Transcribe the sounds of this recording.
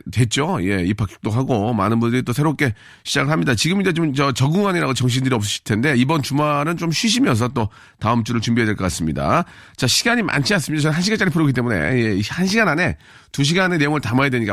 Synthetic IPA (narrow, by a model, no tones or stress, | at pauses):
twe̞t̚t͡ɕ͈oje̞ipʰak͈ʰjo̥k̚t͈oɦaɡoma̰nɯnbundɯɾit͈osʰe̞ɾop̚k͈e̞ | ɕʰid͡ʑaɡɯɭɦamɲidat͡ɕiɡɯmind͡ʑe̞t͡ɕomt͡ɕʌt͡ɕʌɡuŋaɲiɾaɡot͡ɕʌŋɕ̬ʰindɯɾiʌp̚s̬͈ɯɕʰi̥ɭtʰe̞nde̞ibʌnt͡ɕumaɾɯnt͡ɕomɕʰɥiɕ̬ʰimjʌns̬ʰʌt͈o | taɯmt͡ɕ͈uɾɯɭt͡ɕumbiɦedweɭk͈ʌk͈as͈ɯmɲida̰ | t͡ɕaɕʰiɡaɲimʔa̰nt͡ɕʰias͈ɯmɲidat͡ɕʌnɦanɕ̬ʰiɡant͡ɕ͈aɾipʰuɾʌɡit͈e̞mune̞̰je̞hanɕ̬ʰiɡanane̞ | tuɕ̬ʰiɡane̞ne̞joŋɯɭtamajadwe̞ɲik͈a